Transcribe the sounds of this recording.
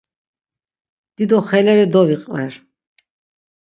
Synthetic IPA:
d̪̥id̪ɔχɛlɛɾid̪ɔviqʼvɛɾ

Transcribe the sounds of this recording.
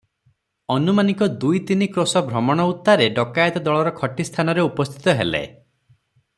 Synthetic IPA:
ɔnumanikɔd̪ujt̪inikɾosɔbʱɾɔmɔɽ̃ɔut̪ːaɾeɖɔkajɔt̪ɔd̪ɔɭɔɾɔkʰɔʈist̪ʰanɔɾeupɔst̪ʰi̥t̪ɔɦelḛ

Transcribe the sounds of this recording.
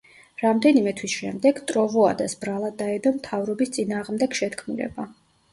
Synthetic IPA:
ɾamd̪ɛnimɛt̪ʰwisʃɛmd̪ɛɡt̪ʼɾɔvɔad̪asbɾalˠad̪ːaɛd̪ɔmt̪ʰavɾɔbist̪sʼinaːʁmd̪ɛɡʃɛt̪kʰmulɛ̰ba

